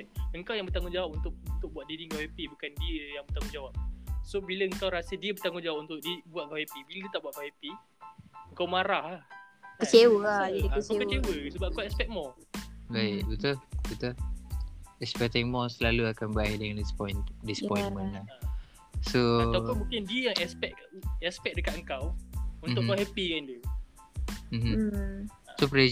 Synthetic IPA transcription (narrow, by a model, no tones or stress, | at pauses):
əŋkawjaŋbərt̪aŋʊ̃ŋd͡ʒawap̚unt̪ʊk̚unt̪ʊk̚buat̪̚didiŋɡaɛpibukandiəjaŋbərt̪aŋʊ̃d͡ʒawap̚sobiləəŋkawɾasədiəbərt̪aŋʊ̃nd͡ʒawap̚unt̪ʊʔ̚dibuat̪̚kaepibilədit̪aʔbuaʔ̪̚kaepi | əŋkawmaɾahahkkət͡ʃewəakət͡ʃewəsəbap̚kuaɛspɛkt̚mɔbait̚bit̪ulbit̪ul | ɛspɛk̚t̪ɛŋmɔsəlaluakanbəaidəŋandspɔjndispɔjmə̃na | soawumũŋkɪndiəjaŋɛspɛʔ̚ɛspɛk̚dəkat̪əŋkawunmʊʔkkawɦɛpikand͡ʒu | m̩m̩ | sopɾe